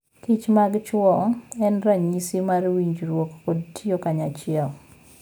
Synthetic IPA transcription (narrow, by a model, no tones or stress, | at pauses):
kit͡ʃmaɡt͡ʃwɔɛnɾaɲisimarwiɲd͡ʒɾwokːodtʰiokaɲat͡ʃɪɛl